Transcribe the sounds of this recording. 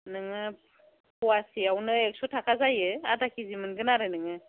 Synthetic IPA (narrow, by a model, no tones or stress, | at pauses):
nɯŋɯ | pʰuwasiawnɯek̚sɔtʰakʰazajɯadakizimɯnɡɯnaɾɯnɯŋɯ